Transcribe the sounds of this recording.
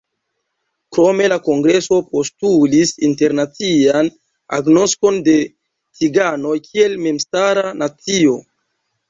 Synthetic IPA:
kɾo̞me̞lako̞ŋɡɾe̞so̞po̞stulisinte̞ɾnat͡sian | a̰ɡno̞sko̞nde̞ | t͡siɡano̞jkʰie̞lme̞mstaɾanat͡sio̞

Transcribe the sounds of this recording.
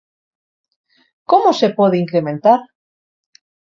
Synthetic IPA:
komosepoðeiŋkɾemẽnt̪aɾ

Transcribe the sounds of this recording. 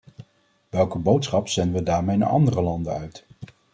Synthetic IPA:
ʋɛlˠkəbowtsχɑpsɛnəʋədaːɹmejna̰ʔɑ̰ndərəlɑndəœɥt

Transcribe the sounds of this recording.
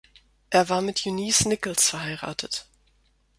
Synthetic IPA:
ʔeːɐvaːɐmɪtʰjuniːsnɪkl̩sfɛɐɦhaɪʁa̰ːtʰət

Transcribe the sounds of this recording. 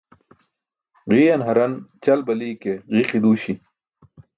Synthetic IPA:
ʁiːjɐnɦɐɾɐnt͡ɕɐlbɐliːkeʁiqid̪uːɕi

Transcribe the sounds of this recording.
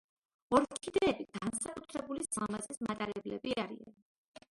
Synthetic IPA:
ɔɾkʰid̪ɛːbiɡ̥ansakʼut̪ʰɾɛbulisamazismat̪ʼaɾɛblɛbiaɾia̰n

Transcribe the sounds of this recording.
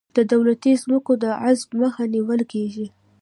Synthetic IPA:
d̪̥əd̪awlat̪izməkod̪əʕazbməxaniwəlkeʒi

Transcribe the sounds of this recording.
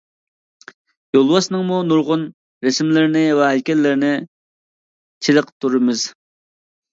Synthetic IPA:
jolˠwɑsnɨŋmunuɾʁʊn | ɾɪsmlɪɾnɪwɛɦɛlkʲɛlːɪɾnɪ | t͡ʃʰiləqt̪ʰuɾɨmɪz̥

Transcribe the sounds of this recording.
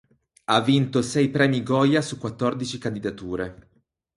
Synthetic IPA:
avːint̪osɛjpɾɛːmiɡɔjasukːwat̪ːɔrd̪it͡ʃikand̪id̪at̪uːɾe

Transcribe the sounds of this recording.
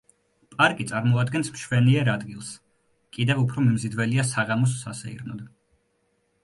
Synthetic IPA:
pʼaɾkʼit̪sʼaɾmɔad̪ɡɛnsmʃwɛniɛɾad̪ɡilˠs | kʼid̪ɛvupʰɾɔmimzid̪vɛliasaʁamɔs̬ːasɛḭɾnɔd̪

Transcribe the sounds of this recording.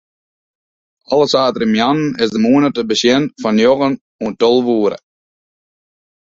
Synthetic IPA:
ɔlˠəsaːtəɾəmjɑnn̩ɪsdəmuənətəbəsjɪnfɔnjɔɣən | uəntɔlˠʋuːɾə̰

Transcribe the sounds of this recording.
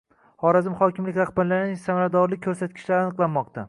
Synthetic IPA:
hɒɾazɪmχɒkʲɪmlɪkʲɾaχbaɾlanɪʃsamaɾad̪ɒɾlɪk̚ʲkʰːɵɾsat̪̚kʲʰɪ̥ʃlaɾanɨqlˠanmɒqt̪ʰa

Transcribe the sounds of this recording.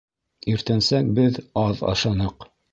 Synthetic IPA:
iɾt̪ænsæk̚bɘðɑðɑ̰ʃɑnɤq

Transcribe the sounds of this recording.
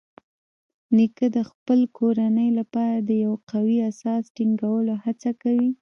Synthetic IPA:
nikəd̪əxpəlkʰoɾanəjlapɑɾad̪əjawqawiasɑsʈiŋɡawəlohat͡sakawi

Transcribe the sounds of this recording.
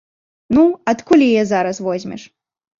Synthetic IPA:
nuɐt̪kulʲijɛzaɾɐsvɔzʲmʲɛ̰ʂ

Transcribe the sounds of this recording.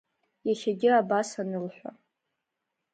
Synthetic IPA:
jaχʲaɡʲɪabasanɨlħʷᶣa

